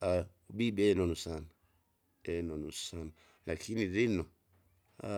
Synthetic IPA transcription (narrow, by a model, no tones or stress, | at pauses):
a | bibɛnɔnusana | ɛnɔnusana | lakʰiniɾinɔ | a